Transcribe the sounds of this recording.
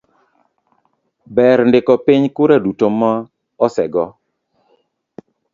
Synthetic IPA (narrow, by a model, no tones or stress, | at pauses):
bɛɾndɪkɔpiɲkuɾadutomaː | sɛɡɔ